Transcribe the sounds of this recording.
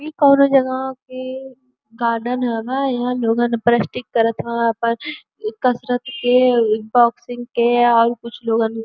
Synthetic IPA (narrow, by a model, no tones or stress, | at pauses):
ikɔːnod͡ʒɐɡãke | ɡaːɾɖənɦɛ̃bajɐɦãloːɡãnpɾɛsʈɪkːɐɾət̪ɦɛ̃ɐpə | kɐsɾət̪kebɔːksɪ̃ŋɡkeɔːɾkʊt͡ʃʰloːɡãn